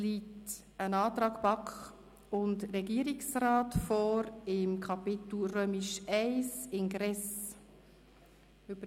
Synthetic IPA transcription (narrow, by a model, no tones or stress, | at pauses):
liːt | ənɑːtɾɑːkpɑkχ | ʊndɾɛɡiəɾiksraːtfɔːɾɪmkʰɑpɪtl̩ɾøːmɪʃæɪsɪnɡɾɛs | ʉbə